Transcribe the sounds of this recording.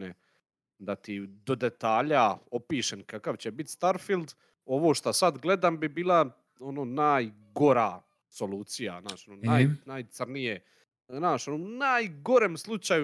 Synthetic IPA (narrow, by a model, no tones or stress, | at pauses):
ne | d̪at̪id̪o̞d̪e̞t̪aːʎaopiːʃenkakaʋt͡ɕebit̪st̪aɾfilˠd̪ | o̞ʋoːʃt̪asad̪ɡle̞d̪aːmbibiːlˠa | onoːnaːj | ɡo̞ɾa̰ː | so̞luːt̪sija̰znaːʃononajnajt̪sɾnije | naːʃonomnajɡo̞ɾeːmslˠut͡ʃaju